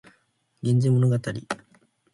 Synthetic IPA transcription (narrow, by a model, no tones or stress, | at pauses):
ɡʲĩɲ̟d͡ʑimo̞noɡat̪aɾʲi